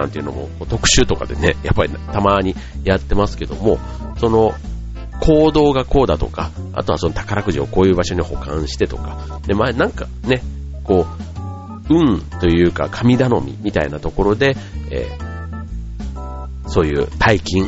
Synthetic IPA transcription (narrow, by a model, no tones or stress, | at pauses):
ã̰nt̪e̞iɯ̟no̞̰mo̞̰ko̞ːt̪o̞kɯ̟̥ɕɨːt̪o̞kad̪e̞ne̞̰japːaɾʲit̪amaːɲ̟i | jat̪ːe̞masɨ̥ke̞d̪o̞mo̞̰ | so̞no̞ | kʰo̞ːd̪o̞ːɡako̞ːd̪at̪o̞̰kaa̰t̪o̞aso̞not̪ḁkaɾakɯ̟ʑio̞ko̞ːjɯ̟ːbaɕo̞ɲ̟iho̞̰kã̰ɰ̃ɕi̥t̪e̞t̪o̞ka | d̪emanãŋka | ne̞ | ko̞ː | ɯ̟̃nt̪o̞jɯ̟ːka̰kʰamʲid̪ano̞mʲḭmʲit̪ainat̪o̞ko̞ɾo̞d̪e̞ḛː | so̞ːjɯ̟̰ːt̪ʰaikʲĩŋ